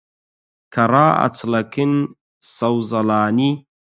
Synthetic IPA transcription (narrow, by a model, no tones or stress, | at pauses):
kʰɐɾaːɐ̰t͡sʰlɐkʰɨn | sɐwzɐlaːni